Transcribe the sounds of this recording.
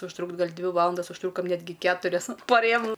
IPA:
ʊʃˈtrʊktʲ ˈɡɐlʲ ˈdʲʋʲɪ ˈʋɑːlˠɐndɐs ʊʃˈtrʊkoːm ˈnʲæːdʲɡʲɪ ˈkʲæːtʊrʲɛs pɐ ˈrʲeːjoːm

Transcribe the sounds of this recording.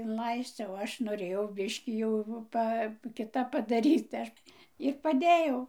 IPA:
ɪnˈlˠɐɪsʲt͡sʲ oː ˈɐʃ noːˈrʲeːjɛʊ ˈbʲɪʃʲkʲiː jɛʊ ˈpɐ kʲɪˈtɐp pɐdɐˈrʲiːt tɐɪ ˈɐʃ ɪr pɐˈdʲeːjɛʊ

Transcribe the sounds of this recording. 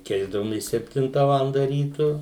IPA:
ˈkʲɛɪzdɐʋoːmʲeːs sʲɛpʲˈtʲɪntɐ ˈʋɑːlˠɐndɐ ˈrʲiːtʊ

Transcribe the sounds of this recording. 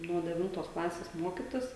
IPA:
nuɔ dʲɛˈʋʲɪntoːs ˈklˠɑːsʲeːs ˈmuɔkʲɪtʲɪs

